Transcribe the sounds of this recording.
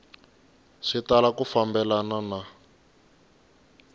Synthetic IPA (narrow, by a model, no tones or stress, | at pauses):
ʂitalakufambɛlanana